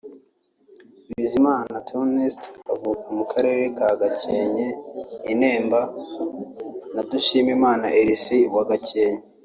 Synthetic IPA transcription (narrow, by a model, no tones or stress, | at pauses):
iβizimaːnatʰonestavukamukaɾe̞ːɾe̞kaɡace̞ːɲe̞ine̞ːmba | naduʃiːmimaːnaʔeɾisiwaɡace̞ːɲe